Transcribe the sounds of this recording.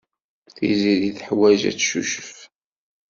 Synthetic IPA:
θiziliθħwæʒæ̰t͡sːʃṵʃə̥f

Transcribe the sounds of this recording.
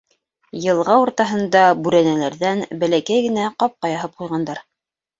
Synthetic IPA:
jɤ̆lˠʁɑuɾt̪ɑɦɤ̆nd̪ɑbʉɾænælæɾðænbælækæjɡɘ̆næqɑp̚qɑjɑɦɤp̚qujʁɑnd̪ɑɾ

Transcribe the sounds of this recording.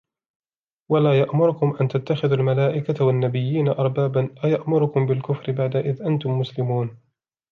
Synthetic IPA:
walaːjaʔmʊɾʊkʊmʔant̪at̪ːaxɪðalmalaːʔɪkawanːabɪjːiːnaʔɑɾˤbaːbanʔajaʔmʊɾʊkʊmbɪlkʊfɾɪbaʕd̪aʔɪðʔant̪ʊmːʊslɪmuːn

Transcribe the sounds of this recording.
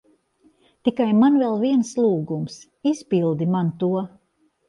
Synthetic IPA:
t̪ikajmanvɛlˠviɛnslˠuːɡums | ispilˠd̪imant̪uɔ

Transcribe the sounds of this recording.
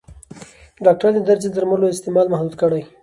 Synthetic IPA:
ɖɑk̚ʈaɾd̪əd̪aɾzed̪əɾməɾloɪst̪emɑlmahd̪ud̪kəɽaj

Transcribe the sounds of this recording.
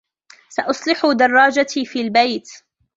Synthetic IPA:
saʔʊsˤlɪħʊd̪ɑrˤːɑːd͡ʒat̪iːfiːlbajt̪

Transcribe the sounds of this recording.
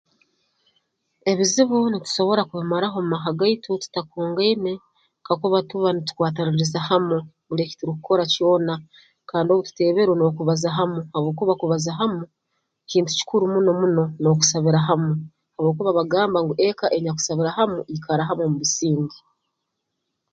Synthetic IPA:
e̞βiziβunitu̥so̞βo̞ɾakuβimaɾaɦo̞mumaɦaɡaitʰotu̥takoːŋɡane | kakuβatuβanitu̥kwaːtaɾuɾizahamu | βuɾeci̥tiɾukukʰo̞ɾaco̞ːna | kaːndioβutu̥te̞ːβe̞ɾweno̞kuβazaɦamuhaβoːkuβakuβazaɦamu | ciːntu̥ci̥kuɾumuno̞muno̞no̞ku̥saβiɾaɦamu | haβoːkuβaβaɡaːmbaŋɡuʔe̞kaʔe̞ɲak̬u̥saβiɾahamuikaɾaɦamomuβisiːɲɡi

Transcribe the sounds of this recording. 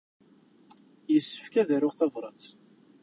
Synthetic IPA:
jəsːə̥fkæðæɾʊʁθɑvɾˤət͡s

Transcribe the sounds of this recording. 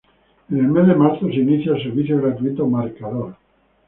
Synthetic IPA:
enelmezðemaɾθoseiniθjaelseɾβ̞iθjoɣɾat̪uit̪omaɾkaðoɾ

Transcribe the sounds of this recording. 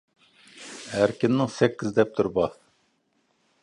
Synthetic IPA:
hæɾkʲɪnːɪŋsɛkʲːizd̪ɛp̚t̪ʰuɾbɑ

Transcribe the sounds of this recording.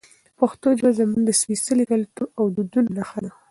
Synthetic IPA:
paxt̪od͡ʒbazəmuŋd̪əswisəlikalʈuʔawd̪ud̪unnaxad̪axu

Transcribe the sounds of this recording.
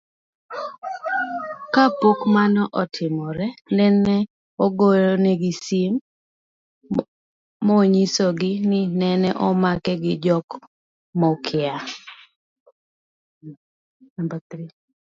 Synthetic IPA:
kapokmanɔʔɔtʰɪmɔɾɛnɛnɛ | ɔɡoɾɔnɛɡɪsim | oɲisoɡɪnɪnɛnɛʔɔmakɛɡɪd͡ʒɔk | mɔkʰɪa | batɾi

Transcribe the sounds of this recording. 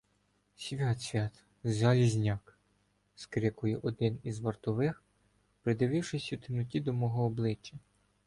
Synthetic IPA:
sʲʋʲɑt̪sʲʋʲɑt̪ | zɑlʲizʲnʲɑk | skɾɪkʊjɛʔɔd̪ɪnizʋɐrt̪ɔʋɪx | pɾɪd̪ɪʋɪwʃɪsʲut̪ɪnʊtʲid̪ɔmɔɦɔːblˠɪt͡ʃːɐ

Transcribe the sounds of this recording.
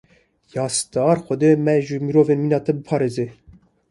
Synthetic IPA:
jɑːst̪ɑːɾxʷɔd̪emɛʒɨmiɾoːveːnminɑːt̪ɛbəpʰɑːɾeze

